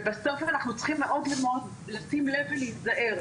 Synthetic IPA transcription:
baso̞fanaχnut͡sχimleʔo̞d̪lemod | lasimleveleitzaʔe̞ʁ

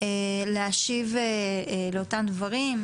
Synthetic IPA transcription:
eleaʃiveleo̞tamd̪vaʁim

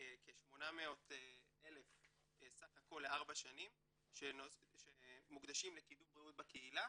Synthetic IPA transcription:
ekeʃmo̞nameo̞t̪e | ele̞f | esaχako̞lːeaʁbaʃanim | ʃenoʃemukd̪aʃimle̞kidumbʁiut̚bakeila

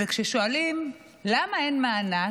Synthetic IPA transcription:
ekʃeʃoalim | lamaenmaːna

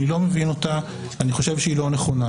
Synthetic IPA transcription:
nilo̞me̞vino̞ta | aniχo̞ʃe̞vʃeilo̞neχo̞na

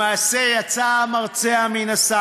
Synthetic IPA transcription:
aːsejat͡samaʁt͡seaminasa

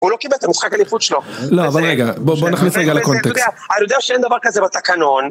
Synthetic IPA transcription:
ulo̞kibelt̪amisχakalifut̪ʃeloloavalʁeɡabobonaχnisʁeɡalakonteosd̪ea | aajod̪eaʃeend̪avaʁkazebat̪akano̞n

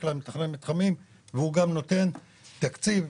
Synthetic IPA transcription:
klamet̪aχnenmit̪χamim | veuɡamno̞t̪e̞n | t̪akt͡siv

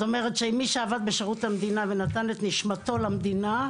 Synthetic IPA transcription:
t̪ome̞ʁet̪ʃeimːiʃeavad̪̚beʃeʁut̪amd̪inavenat̪anet̪niʃmat̪o̞lamd̪ina

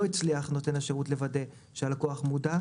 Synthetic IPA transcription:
oit͡sliaχno̞te̞naʃeʁutle̞vade̞ | ʃealko̞aχmuda

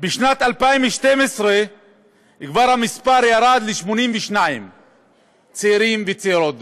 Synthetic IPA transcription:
biʃnat̪alpaimveʃt̪emesʁe | kvaʁhamispaʁjaɾad̪leʃmonimveʃnajim | t͡seiɾimvet͡seiɾot̪

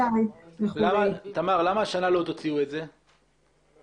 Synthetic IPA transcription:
aelamat̪amaʁlamaːʃanalo̞t̪ot͡siuetze̞

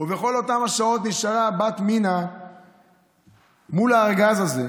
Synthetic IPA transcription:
uveχo̞lo̞t̪amhaʃao̞t̪niʃaʁabat̪mina | mulaːʁɡazaze̞

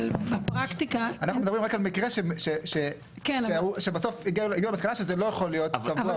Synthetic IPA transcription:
bapʁakt̪ikaanaxχumedɐbʁimʁakalmikʁeʃemʃeʃe | keneuʃebaso̞fiɡiuliɡiulmaskalaʃezelo̞jaχolijo̞t̪kavua

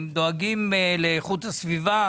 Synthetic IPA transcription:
md̪oaɡimeleːχut̪asviva

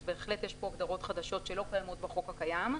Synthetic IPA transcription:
be̞ːχle̞tjeʃpo̞aɡd̪aʁo̞t̪χad̪aʃo̞tʃe̞lo̞kajamo̞tbaχo̞khakajam

